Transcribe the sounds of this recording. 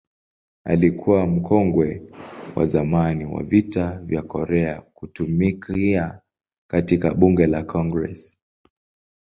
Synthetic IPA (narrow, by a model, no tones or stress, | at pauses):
a̰likʰuwam̩kʰɔŋɡwɛwʔa̰zamaniwa̰vitavjakɔɾɛakutumikia | katikaɓuŋɡɛlakʰɔŋɡɾɛ̰s